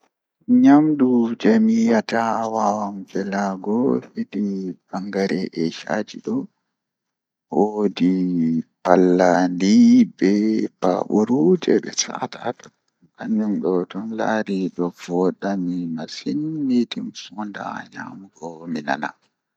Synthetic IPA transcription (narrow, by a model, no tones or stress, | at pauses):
ɲamɗud͡ʒɛmijatawawambɛlaɡɔhidib̥aŋɡaɾɛʔɛʃa̰d͡ʒiɗɔ | wodipalːandibɛpa̰ɓuɾud͡ʒɛɓɛ̰sa̰tatɔ̥ | kaɲumɗɔtɔnla̰ɾiɗɔv̥ɔɗamimasinmitinfɔnda̰ɲa̰mukɔmina̰na̰